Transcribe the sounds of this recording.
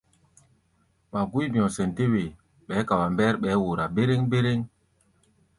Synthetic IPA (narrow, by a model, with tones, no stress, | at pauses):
ma˨ɡu˦jb̃ɔ̃˨sɛ˨nte˦we˨ | ɓɛ˨˦ka˨wa˨mbɛ˦ɾɓɛː˨˦wo˨ɾa˨be˦ɾe˦ŋbe˦ɾe˦ŋ